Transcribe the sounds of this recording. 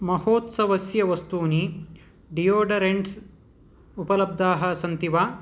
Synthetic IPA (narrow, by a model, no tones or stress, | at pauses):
mɐhoːt̪sɐʋɐsjɐʋɐst̪uːni | ɖijoːɖɐɾeɳɖs | upɐlɐb̚d̪aːɦɐ̆sɐnt̪iʋaː